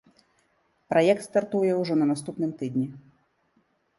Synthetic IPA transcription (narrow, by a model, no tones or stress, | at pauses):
pɾʔajɛk̚t̪st̪art̪ujɛwʐɔnɐnast̪upnɨmt̪ɨd̪ʲnʲi